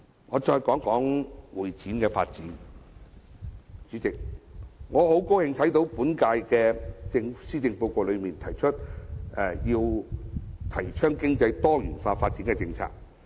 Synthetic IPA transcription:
ŋɔː˨˧t͡ʃɔː˧jkɔː˨˥ŋkɔː˨˥ŋwuː˨˩jt͡siː˨˥nkɛː˧faː˧t̚t͡siː˨˥n | t͡ʃy˨˥t͡sɪ˨k̚ŋɔː˨˧ho˨˥wko˥whɪ˧ŋt̪ʰɐ˨˥jt̪o˨˧˥wpuː˨˥nkaː˧jkɛː˧t͡sɪ˧ŋsiː˥t͡sɪ˧ŋpo˧wko˧lɵ˨˧ɥmiː˨˩nt̪ʰɐ˨˩jt͡ʃʰɵ˥t̚ɛ˨jiː˧w | t̪ʰɐ˨˩jt͡ʃʰœː˥ŋkɪ˥ŋt͡sɐ˧jt̪ɔː˥jyː˨˩nfaː˧faː˧t̚t͡si˨˥nkɛ˧t͡sɪ˧ŋt͡sʰa̰ː˧˩k̚

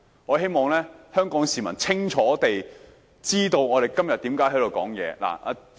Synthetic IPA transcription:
ŋɔː˨˧ɦe˥jmɔː˨˩ŋlɛː˥hœː˥ŋkɔː˨˥ŋsiː˨mɐ̰˨˩nt͡sʰɪ˥ŋt͡ʃʰɔː˨˥t̪e˨j | t͡siː˥t̪o˧wŋɔː˨˧e˨˩jkɐ˥mjɐ˨t̚t̪iː˨˥mkaː˨˥jɦɐ˨˥t̪o˧wkɔ̰ː˨˥ŋjɛ̰ː˨˧la̰ː˨˩a̰˨˧

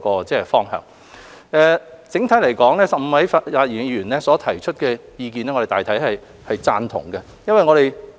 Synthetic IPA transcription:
kɔː˧t͡sɛː˥˧˩fɔː˥ŋɦœ̰ː˨˩ŋ | ʔɛː˧t͡sɪ˨˥ŋt̪ʰɐ˨˥jlɐ˨˩jkɔː˨˥ŋlɛː˥sɐ˨p̚m̩˨˧˥wɐ˨˥jfa˧aː˧t̚jiː˨˩nɥyː˨˩nlɛː˥sɔː˨˥t̪ʰɐ˨˩jt͡ʃʰɵ˥t̚kɛː˧jiː˧kiː˨nɛ˥ŋɔː˧ɾe˨t̪aː˨jt̪ʰjhɐ˨j | hɐ˨jt͡saː˧nt̪ʰʊ̰˨˩ŋɡɛ˧ | jɐ˥nwɐ˨jŋɔː˨˧ɾe˨˩j

